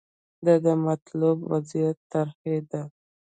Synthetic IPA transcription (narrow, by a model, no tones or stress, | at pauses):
d̪ad̪əmat̪lubwazijat̪ːaɾxed̪a